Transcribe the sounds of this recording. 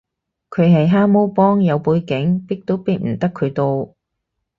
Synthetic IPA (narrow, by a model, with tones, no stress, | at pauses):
kʰɵ˨˧ɥɦɐ˨jɦaː˥mo˥wpɔː˥ŋjɐ˨˧wpuː˨˧jkɪ˨˥ŋpi˥k̚t̪o˥wpi˥t̚m̩˨˩t̪ɐ˥kʰːɵ˨˧ɥt̪o˧w